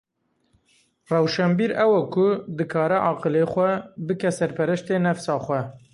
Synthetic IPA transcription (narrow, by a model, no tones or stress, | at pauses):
rɛwʃɛmbiːɾɛwɛkʰʊd̪ɨkʰɑːɾɛʔɑːqɨlexʷɛbɨkɛsɛɾpʰɛɾɨʃt̪enɛfsɑːxʷɛ